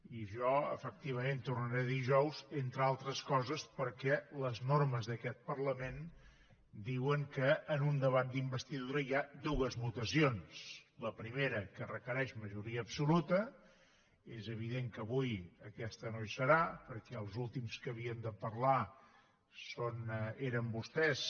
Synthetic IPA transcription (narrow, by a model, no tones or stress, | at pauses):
iʒɔə̰fək̚t̪iβəment̪urnəɾeðiʒɔwzent̪ɾəalˠt̪ɾəskɔzəspəɾkɛləznoɾməzðəkɛt̪̚pərləmen | d̪iwəŋkəːnund̪əβat̪̚d̪imbəst̪iðuɾəiad̪uəzmut̪əsionsləpɾimeɾəkərəkəɾɛʃməʒuɾiəːpsulut̪ə | ezəβ̞iðeŋkəβujəkɛst̪ənojsəɾapəɾkɛəlˠzulˠt̪imskəβ̞iənd̪əpəɾla | soneɾəmbust̪ɛs